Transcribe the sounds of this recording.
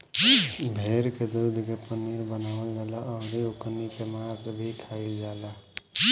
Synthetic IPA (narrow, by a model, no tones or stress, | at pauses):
bʱeɾked̪ud̪ʱkepəniɾbənaəld͡ʒalaɔːɾiuknikemasbʱikʰaild͡ʒaːla